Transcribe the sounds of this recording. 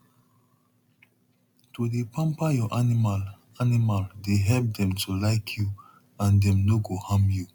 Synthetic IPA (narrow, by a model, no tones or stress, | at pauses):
todepãmpajɔʔanimal | animaldeɦɛlp̚dɛ̃mtʰulaɪkʰju | ãndɛ̃mnoɡohãmju